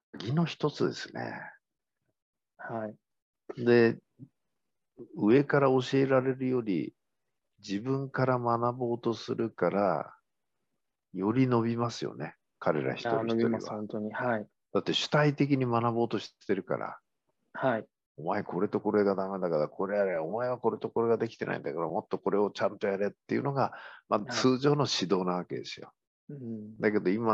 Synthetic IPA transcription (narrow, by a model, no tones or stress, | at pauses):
ɡʲino̞çi̥t̪o̞t͡sɨd̪e̞̰sɨ̥ne̞̰ | hai | d̪e̞ | ɯ̟e̞kaɾao̞ɕieɾaɾe̞ɾɯ̟jo̞ɾʲḭ | d͡ʑibɯ̟̃ŋkaɾamanabo̞ːt̪o̞sɨɾɯ̟kaɾa̰ | jo̞ɾʲino̞bʲimasɨjo̞̰ne̞ | kaɾe̞̰ɾa̰çi̥t̪onoaisõnt̪oɲiai | d̪̥at̪ːe̞ɕɨ̥t̪ait̪e̞k̬ʲiɲ̟imanabo̞ːt̪o̞ɕi̥t̪e̞ɾɯ̟ka̰ɾa̰ | hai | o̞maeko̞ɾe̞t̪o̞ko̞ɾe̞ɡad̪ame̞d̪akaɾakʰo̞ɾe̞jaɾeo̞maeβ̞ako̞ɾe̞t̪o̞ko̞ɾe̞ɡad̪e̞kʲi̥t̪e̞na̰ḭnd̪a̰kaɾamo̞t̪ːo̞ko̞ɾe̞o̞t͡ɕãnt̪o̞jaɾe̞t̪ːe̞iɯ̟̰no̞ɡamat͡sɨːʑo̞ːno̞ɕid̪o̞ːnaβ̞ake̞d̪e̞̰sɨjo̞̰ | d̪ake̞d̪o̞ima